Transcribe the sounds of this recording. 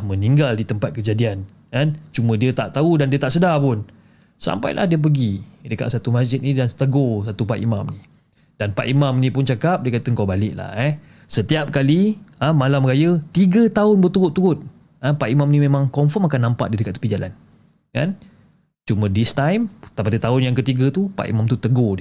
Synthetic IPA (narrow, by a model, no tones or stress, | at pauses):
mə̃niŋɡaldit̪əmpat̪̚kəd͡ʒadian | kant͡ʃumə̃diət̪aʔt̪audandiət̪aʔsədapʊn | sa̰mpa̰jlʔa̰hdiəp̬əɡidəka̰ʔ̪sat̪umasd͡ʒɪt̪̚nidanst̪əɡos̬at̪upaʔ̪ḭma̰mnĩ | danpa̰ʔ̪imamnĩpʊnt͡ʃakap̚diəkat̪əŋkawbalɪʔla̰hɛ | sət̪iap̚kaliəmalamɾajət̪iɡət̪aʊnbət̪uɾʊt̪ːuɾʊt̪̚ | əpaʔimamnĩmẽmãŋkɔmfɔmakanːampa̰ʔdidəkat̪̚ə̥pid͡ʒala̰n | ka̰n | t͡ʃumə̃dist̪ajmt̪apadət̪aʊnjaŋkət̪iɡət̪upa̰ʔḭmãmt̪ut̪əɡodiə